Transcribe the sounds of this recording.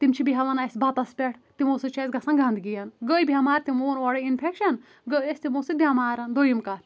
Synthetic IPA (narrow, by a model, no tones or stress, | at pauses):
t̪imt͡ʃʰibiɦɐlɐnɐsbɐt̪ɐspʲɛʈʰt̪imoːsɨt͡ʃʰɐzɡɐsɐnɡɐ̃nd̪ɡijɐnɡəːjbʱʲiɐmaːɾʲt̪imoːnʋɐɽɐinpʰekʃɐn | ɡəesʲt̪imoːsɨb̪ʱʲjamaːɾɐnd̪ojimkɐɾʲ